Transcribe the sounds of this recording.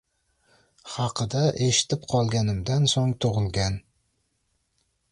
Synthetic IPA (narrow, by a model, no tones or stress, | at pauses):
hɑqʰɨd̪aʔe̞ʃɪ̥t̪ʰɪp̚qʰɒlˠɡʲanɪmd̪ansoŋt̪ʰoʁɨlˠɡʲan